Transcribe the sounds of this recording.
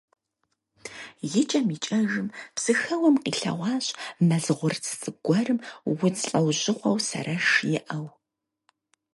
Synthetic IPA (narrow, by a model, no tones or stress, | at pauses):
jɪt͡ʃʼɐmit͡ʃʼɐʒɨmpsɨxɐwɐmqiːɬɐ̰ʁʷɑːɕʼmɐɮʁʷʊrt͡sʰsʼɨɡʷɔrɨmwʊt͡sɬʼɐwʑɪχʷɐwsɐ̰rɐʃjɪʔɐw